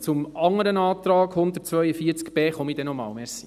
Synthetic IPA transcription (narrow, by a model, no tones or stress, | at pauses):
t͡sʊmɑŋːəɾənɑːt̪ɾɑːɡhʊnd̪ərtt͡sʋœʏəfiːəɾt͡skb̥eːχɔmid̥ɛnɔmɑ̰ːlmɛɾsi